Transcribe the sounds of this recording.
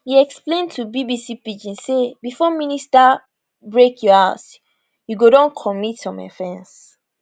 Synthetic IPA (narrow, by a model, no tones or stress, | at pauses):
hiɛksplẽntʰubibisipid͡ʒĩnsebifɔminista | bɹekʰjuaʊt | juɡodɔ̃nkʰɔmitɔ̃ma̰fɛ̃ns